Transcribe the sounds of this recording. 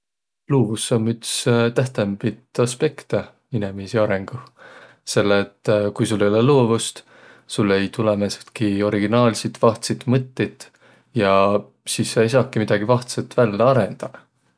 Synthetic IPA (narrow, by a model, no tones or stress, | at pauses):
luːvusːommyt̪st̪æht̪embit̪ɑspe̞kt̪e | inemisiɑɾe̞ŋɡ̥u | se̞lːet̪ːˑkujsulːejoleloːvust̪ | sulːe̞jt̪ulemeset̪kio̞ɾiɡinɑːlsit̪vɑht̪sit̪ˑmɤt̪ːit̪ːˑ | jɑ | siːsːɑjs̬ɑːkːˑimid̪̥ɑɡ̥ivɑht̪set̪vælːeɑɾend̪̥ɑ